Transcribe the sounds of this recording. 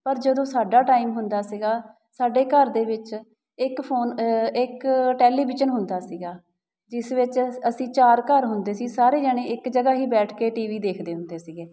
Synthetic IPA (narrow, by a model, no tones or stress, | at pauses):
pəɾd͡ʒəd̪õːsaːɖaːʈaːimɦʊnd̪aːsiːɡaː | saːɖeːkəɾd̪eːʋɪt͡ʃ | ɪkpʰoːnɪkʈɛːliːbɪʃənɦʊnd̪aːsiːɡaː | d͡ʒɪsʋɪt͡ʃəsĩːt͡ʃaːɾkəɾɦʊnd̪eːsiːsaːɾeːd͡ʒəɽẽːɪkd͡ʒəɡaːɦiːbɛːʈʰkeːʈiːʋiːd̪eːkʰd̪eːɦʊnd̪eːsiːɡeː